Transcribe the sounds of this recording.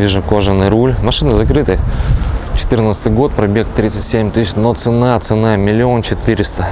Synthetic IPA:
iʐʊkoʐɨnɨjɾulʲmɐʂɨnɨzɐkɾɨt̪ɨj | t͡ɕɪ̥t̪ɨrnət̪sɨt̪ɨjɡo̞t̪̚pɾɐbʲekt̪ɾʲit̪sɨtʲsʲemʲt̪ɨsʲɪnot̪sɨnat̪sɨnamʲɪlʲɪo̞nt͡ɕɪt̪ɨɾʲɪst̪ə

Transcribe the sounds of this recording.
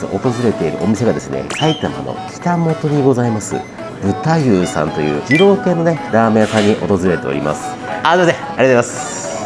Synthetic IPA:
o̰ʔot̪o̞zɨɾe̞t̪e̞iɾɯ̟̰ʔo̞mʲise̞ɡad̪e̞sɨnḛkait̪ama̰no̰kʲʰi̥t̪amo̞t̪o̞ɲ̟iɡo̞zaimasɨ̰ | bɯ̟t̪ajɯːsã̰nt̪o̞jɯ̟ːd͡ʑiɾo̞ːkẽ̞nːo̞ne̞ɾaːmeasãɲ̟ːiʔo̞̰t̪o̞zɨɾe̞t̪e̞oɾʲḭma̰sɨ̥ | ad̪ezeaɾit̪ːimasɨ̥

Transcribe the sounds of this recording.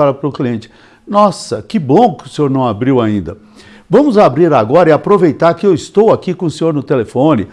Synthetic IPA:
alɐpɾʊkliẽnt͡ʃɪ̥ | nɔsɐkɪbõkʊseoɾnɐ̃w̃abɾiwaĩnd̪ɐ | vɐ̃mʊzabɾiɾaɡɔɾɐɪapɾovejt̪aɾkɪewist̪owakikõʊsẽɲoɾnʊt̪elefõnɪ

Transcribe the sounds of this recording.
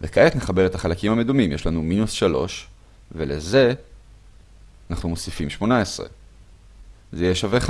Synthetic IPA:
lekaetne̞χabe̞ʁe̞t̪aχalakimame̞dumimjʃlanuminusʃalo̞̰ʃ | veleze̞ | anaχnumo̞sifimʃmo̞naesʁḛ | zejeʃaveχa

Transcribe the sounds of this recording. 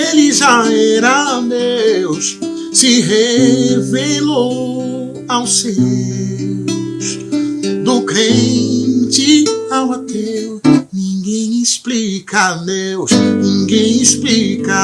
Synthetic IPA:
elɪʒaɛɾɐmews | sɪɦevelo | awse | sd̪ʊkɾẽ | t͡ʃiawat̪e | nĩŋɡẽj̃isplikɐnewsnĩŋɡẽj̃isplikɐ

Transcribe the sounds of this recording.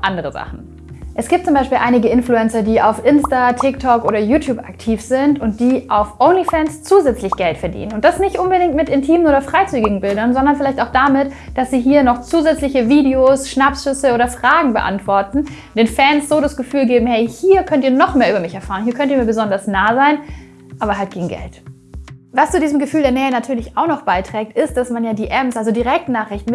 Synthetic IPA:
ʔandəʁəza̰χn̩ | ʔɛsɡ̥iːp̚t͡sʊmbaɪʃpiːlʔaɪnɪɡəɪnfluɛnt͡sɐdiːaʊfʔɪnstatʰɪktʰɔkʔoːɾɐjuːtʰjuːpa̰k̚tʰiːfz̥ɪntʊnt̚d̥iːʔaʊfʔoʊnlifɛːnst͡suːzɛt͡slɪçɡ̥ɛltfɛɐdḭːnənʊnt̚d̥asnɪçtʔʊnbədɪŋtmɪtɪntʰiːmənʔoːdɐfʁ̥aɪt͡syːɡɪɡŋ̩bɪldɐnzɔndɐnfɪlaɪçtaʊxd̥amɪtd̥asz̥iːɦiːɐnɔχt͡suːzɛt͡slɪçəviːdeoːsʃnapsʃʏsəoːɾɐfʁ̥aːɡŋ̩bəʔa̰ntv̥ɔɐtn̩ | d̥eːnfɛnsz̥oːdasɡ̥əfyːlɡeːbm̩hɛɪhiːɐkʰœntiːɐnɔχmeːɐyːbɐmɪçɛɐfaːʁəniːɐkʰœntiɐmiːɐbəzɔndɐsnaːzaɪn | ʔaːβɐɦalt̚ɡ̥eːɡŋ̩ɡɛ̰lt | vast͡sudiːzm̩ɡəfyːldeːɐnɛːənatʰyːɐlɪçaʊxnɔχb̥aɪtʁ̥ɛːk̚tʔɪst̚d̥asmanjaːdiːʔɛmsʔalzodiːʁɛk̚tnaːχʁ̥ɪçtn̩

